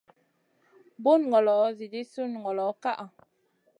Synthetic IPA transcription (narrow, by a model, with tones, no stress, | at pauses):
bu˦nŋ˨ɡɔ˨lɔ˨˦zi˨di˦su˦n˨ŋ˨ɔ˨lɔ˨˦ka˦ʔa˨